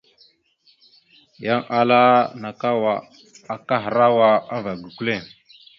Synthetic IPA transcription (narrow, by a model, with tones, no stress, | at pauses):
ja˦ŋa˨la˦na˨ka˦wa˨ | a˨ka˦ɦə˨ɾa˦wa˦a˦va˨ɡu˨ku˦le˦˨ŋ